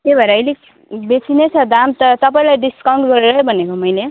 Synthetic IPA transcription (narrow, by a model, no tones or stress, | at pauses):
kebʱʌeɾʌʌjle | bet͡sʰinejt͡sʰʌd̪amt̪ʌt̪ʌpaĩlajɖiskaw̃ɳʈɡʌɾeɾʌbʱʌnekomʌjle